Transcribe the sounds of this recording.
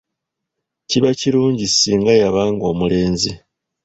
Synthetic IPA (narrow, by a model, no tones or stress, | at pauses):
ciβaciɾuːɲɟisiːŋɡajaβaːŋɡo̞ːmule̞ːnzi